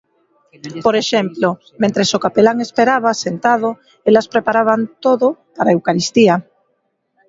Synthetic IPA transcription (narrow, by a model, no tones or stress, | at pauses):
poɾeʃemplo | mẽnt̪ɾesokapelaŋespeɾaβ̞asent̪að̞o | elaspɾepaɾaβ̞ant̪oðopaɾaewkaɾist̪ia